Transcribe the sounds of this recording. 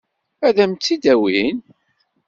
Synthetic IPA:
æðæmt͡s̪ːid̪æwin

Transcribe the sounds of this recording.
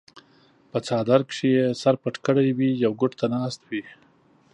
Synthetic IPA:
pət͡sɑːd̪aɾkʂejesaɾpaʈkəɽajwijawɡʊʈt̪ʰanɑst̪wi

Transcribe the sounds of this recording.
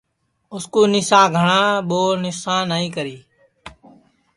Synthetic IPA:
ʊskuːnɪsãːɡʱəɳãːɓoːnɪsãːnaːĩːkəɾiː

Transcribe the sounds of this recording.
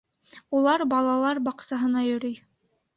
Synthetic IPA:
ulˠɑɾbɑlˠɑlˠɑɾbɑqsɑɦɤ̆nɑjɵ̆ɾɵj

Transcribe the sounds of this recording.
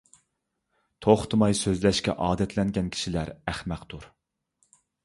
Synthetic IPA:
t̪ʰoχt̪ʰɨmɑjsøzlɛʃkʲɛ̰ʔɑːd̪ɛt̪ʰlɛnɡʲɛnkʲʰi̥ʃilæɾæχmæqt̪uɾ

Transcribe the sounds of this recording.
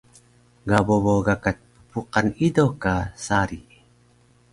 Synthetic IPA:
ɡaboboɡakat̪̚pə̥puqanidokasaɾi

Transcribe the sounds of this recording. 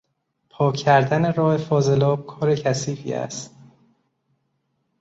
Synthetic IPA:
pʰɒːcʰːæɾd̪æneɾɒːhe̞fɒːze̞lɒːb̚kʰɒːɾe̞cʰæsiːfḭːæ̰st̪

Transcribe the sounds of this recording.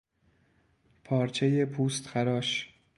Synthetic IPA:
pʰɒːɾt͡ʃʰejepʰuːst̪xæɾɒːʃ

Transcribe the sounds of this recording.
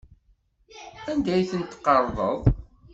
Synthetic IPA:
ænd̪æjθənt̪qːəɾˤðˤə̰ðˤ

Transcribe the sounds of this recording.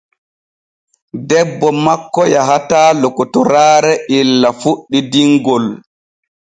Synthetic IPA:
dɛbːɔmakːɔjaɦataːlokːɔtɔɾaːɾɛʔilːafuɗːidiŋɡɔl

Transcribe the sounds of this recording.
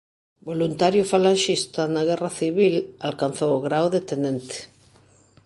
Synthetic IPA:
bolunt̪aɾjʊfalaʃist̪anaɣ̞ɛraθiβilalkan̟θowɣɾawðet̪enẽnt̪e̥

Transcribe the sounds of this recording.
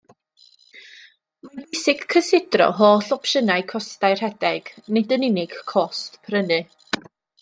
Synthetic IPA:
mabəjsɪɡ̥kʰːəsɪdrɔ̰ɦoːɬɔpʃənajkʰɔstajr̥hɛdɛɡ̥nɪdənɪnɪɡ̥kʰːɔstpʰrənɨ

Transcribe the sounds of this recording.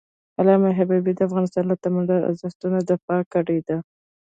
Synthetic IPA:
alɑmaɦabibid̪əafɣɑnɪst̪ɑnlat̪amanda̰zəst̪unad̪əpɑkaɽed̪a

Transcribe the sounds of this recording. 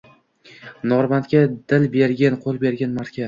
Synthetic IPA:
nɒɾmant̪kʲad̪̥ɪlbeɾɡʲanqʰolˠbe̞ɾɡʲanmaɾt̪kʲʰa

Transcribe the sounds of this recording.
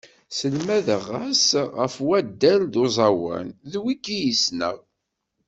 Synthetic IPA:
səlmæðəʁːæsʁəfwæd̪ːælðozˤɑwæ̰nðwikːijisnə̰ʁ

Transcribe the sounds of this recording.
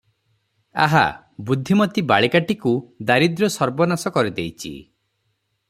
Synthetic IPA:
a̰ɦa̰ | bud̪ʱːimɔt̪ibaɭikaʈikud̪aɾid̪ɾɔsɔɾbɔnasɔkɔɾid̪ejt͡ʃʰḭ

